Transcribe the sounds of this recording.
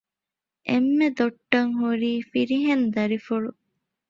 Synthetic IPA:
ʔemːed̪oʈːɐŋɦuɾiːfiɾiɦend̪ɐɾifuɭu

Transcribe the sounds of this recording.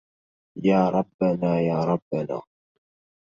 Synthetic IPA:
jaːɾˤɑbːanaːjaːɾˤɑbːana̰ː

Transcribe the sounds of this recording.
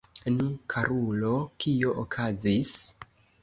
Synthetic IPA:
nukʰaɾulo̞kʰio̞ʔokʰazis

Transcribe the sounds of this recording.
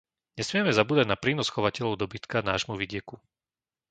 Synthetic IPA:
ɲɛsmɪɛmɛzabuːd̪aɟnapɾiːnɔsxɔʋacɛlʎɔʊd̪ɔbit̪kanaːʒmuʋiɟɪɛku

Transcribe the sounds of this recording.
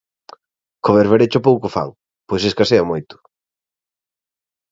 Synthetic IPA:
koβeɾβeɾet͡ʃʊp̬owkʊfa̰ŋ | pojseskaseamojt̪ʊ̥

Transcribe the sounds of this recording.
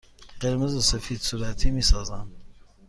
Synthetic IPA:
ɢ̥eɾmezosefiːd̪suːɾæt̪ʰiːmiːsɒːzæn

